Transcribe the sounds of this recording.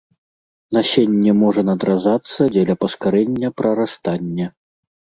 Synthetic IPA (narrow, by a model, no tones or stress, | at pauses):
nasʲenʲːɛmɔʐɐnɐd̪ɾazat̪sːɐd͡zʲɛlʲɐpɐskaɾɛnʲːɐpɾɐɾast̪anʲːɛ